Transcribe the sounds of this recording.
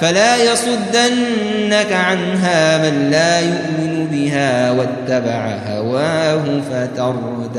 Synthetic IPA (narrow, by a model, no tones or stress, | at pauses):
falaːjɑsˤʊd̪ːanː | akaʕanɦaːmanlaːjʊʔmɪnʊbɪɦaːwat̪ːabaʕahawaːɦʊfat̪ɑɾˤ | ʊd̪